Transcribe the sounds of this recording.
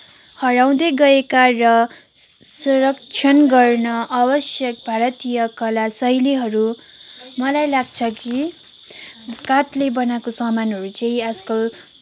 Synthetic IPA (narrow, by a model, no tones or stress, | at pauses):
hʌɽaw̃d̪eɡʌekarʌ | suɾʌk̚t͡ʃʰʌnɡʌrnʌʔabʌsjʌk̚bʱaɾʌt̪ijʌkʌlasʌjliɦʌɾu | mʌlajlaɡ̚t͡sʰʌki | kaʈlebʌnakosʌmanɦʌɾut͡sʌĩʌd͡zʌko